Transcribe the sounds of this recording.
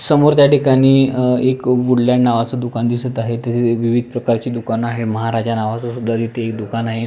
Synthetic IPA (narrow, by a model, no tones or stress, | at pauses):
səmoɾt̪jaʈikaɽ̃iːekʋuɽljanaʋat͡səd̪ukand̪isət̪aɦet̪əseʋiʋid̪ʱpɾəkaɾt͡ɕiːd̪ukanaɦeməɦaɾad͡ʑanaʋat͡sasud̪ʱːad̪it̪ʰeːkd̪ukanaɦe